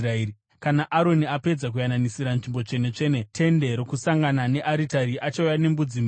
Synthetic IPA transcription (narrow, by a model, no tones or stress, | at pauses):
raei | kanaʔaɾo̞niape̞d͡zak̬ujananisiɾanʐimbo̞t͡ʂe̞net͡ʂe̞ːnetʰe̞nde̞ɾokusaŋɡanane̞ʔaɾitaɾiʔat͡ʃaujane̞mbud͡zim